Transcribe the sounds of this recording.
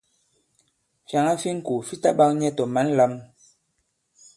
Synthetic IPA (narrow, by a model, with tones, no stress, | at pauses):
fja˨ŋa˦fi˦ŋ̩˦ku˨fi˦ta˦ɓa˦ŋɲɛ˦to˨ma˨˦n˦la˦m